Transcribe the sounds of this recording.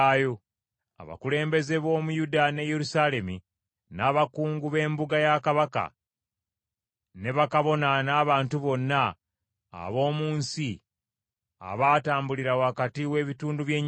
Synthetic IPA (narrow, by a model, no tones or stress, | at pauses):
jo̞ | a̰βa̰kule̞ːmbe̞ze̞βo̞ːmujudane̞je̞ɾusale̞mi | naːβakuːŋɡuβe̞ːmbuɡajakaβaka̰ | ne̞βakaβo̞nanaːβaːntuβo̞nːa̰ː | βo̞ːmuːnsi | a̰βaːtaːmbuliɾawakatiwe̞ːβituːnduβje̞ːɲ